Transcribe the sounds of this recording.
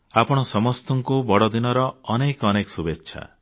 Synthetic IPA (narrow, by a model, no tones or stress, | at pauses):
apɔɽ̃ɔsɔmɔst̪ɔŋkubɔɽɔd̪inɔɾɔːnekɔnekɔ̥subetːʃʰa̰